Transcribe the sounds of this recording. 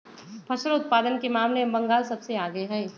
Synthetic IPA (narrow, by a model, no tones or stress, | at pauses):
pʰɐʃəɾʊt̪̚paːd̪ənkemaːmlebɐ̃ŋɡaːlsɐbseaːɡəeɦɛː